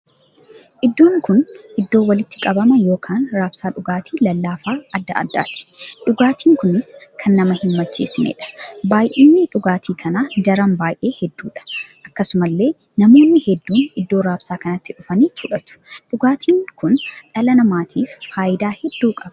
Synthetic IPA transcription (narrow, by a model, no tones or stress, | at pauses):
ʔɪd̪ːo̞ːŋkʊnʔɪd̪ːo̞ːwɐlɪt̪ːɪkʼɐbɐmɐjo̞ːkʰaːnɾaːbsaːᶑʊɡaːt̪ʰiːlɐlːaːfaːʔɐd̪ːɐ̰ʔɐ̰d̪ːa̰ːt̪ɪ̥ᶑʊɡaːt̪ʰiːŋkʊnɪskʰɐnːɐmɐhɪnmɐt͡ʃːeːsɪnḛːᶑɐ̥baːjʔeːnːɪᶑʊɡaːt̪ʰiːkʰɐnaːd̪ɐɾɐmbaːjʔe̞ːhɛd̪ːuːᶑɐ̥ʔɐkːɐsʊmɐlːe̞ː | nɐmo̞ːnːɪhɛd̪ːuːnɪd̪ːoːɾaːbsaːkɐnɐt̪ːɪᶑʊfɐniːfʊᶑɐt̪ʊ̥ᶑʊɡaːt̪ʰiːŋkʊnᶑɐlɐnɐmaːt̪ʰiːfːaːjɪd̪aːhɛd̪ːuːkʼɐb̥ɐ̥